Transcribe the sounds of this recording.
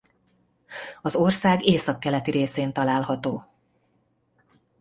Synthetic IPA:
ɒzo̞rsaːɡeːsɒkːɛlɛt̪iɾeːseːnt̪ɒlaːlhɒt̪oː

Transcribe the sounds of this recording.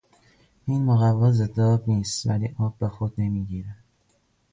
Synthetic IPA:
iːnmoɣævɒːzed̪ɒːbniːst̪væ̰lḭːʔɒːbːexod̪̥nemiːɡiːɾæ

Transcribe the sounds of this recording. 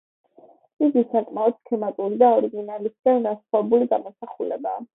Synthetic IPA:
iɡisakʼmaɔd̪̥kʰɛmat̪ʼuɾid̪aɔɾiɡinalisɡ̥anɡasχwavɛbuliɡamɔsaχulɛ̰ba̰ː

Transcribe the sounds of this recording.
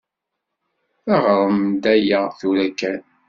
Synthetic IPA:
æʁɾˤəmd̪æjaθuɾækːæn

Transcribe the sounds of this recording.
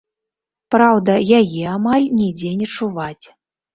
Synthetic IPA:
pɾawd̪ɐjajɛamalʲnʲɛd͡zʲɛnʲɛt͡ʂuvat͡sʲ

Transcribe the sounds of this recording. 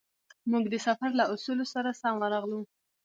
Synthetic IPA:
muɡd̪əsafaɾlaʔusulosaɾasɑŋwəɾɑɣlu

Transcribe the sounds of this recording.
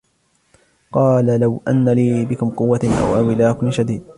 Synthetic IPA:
qɑːlalawʔa̰nːaliːbɪkʊmqʊwːaʔa̰wʔawɪlaːkʊnʃad̪iːd̪̚

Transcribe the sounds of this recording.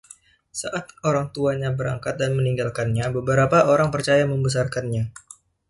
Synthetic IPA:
saʔat̪̚oɾaŋt̪uaɲabəɾa̰ŋkat̪̚danməniŋɡalkanɲabəbəɾapaʔoɾaŋpərt͡ʃajaməmbəs̬arkanɲa

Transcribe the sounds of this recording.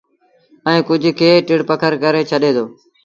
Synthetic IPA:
əĩːkʊd͡ʒʱkʰeːʈɪɽpəkʰəɾkəɾeːt͡ʃʰəɗeːd̪ʰoː

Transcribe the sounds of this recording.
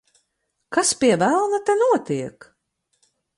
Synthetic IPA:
kaspʲiɛvælˠnat̪ɛnuɔt̪iɛk

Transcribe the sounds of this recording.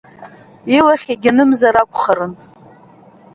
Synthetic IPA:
ilaχʲaɡʲanɨmzaɾakʷʼχaɾɨn

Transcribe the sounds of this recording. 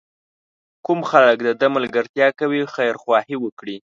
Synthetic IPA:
kumxalək̚d̪əd̪aməlɡəɾt̪jɑkawixajɾxwɑhiwəkɽi

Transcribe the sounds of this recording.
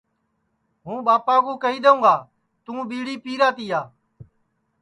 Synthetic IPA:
ɦũːɓaːpaːɡũːkəiːɗ̪əũːɡaː | t̪ũːɓiːɽiːpiːɾaːt̪iːaː

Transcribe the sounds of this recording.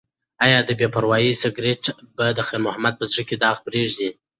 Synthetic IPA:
ɑjɑd̪əbepaɾwɑjisaɡɾeʈbad̪əxeɾmʊhamad̪̚pəzɽəked̪ɑɣpɾeʐd̪i

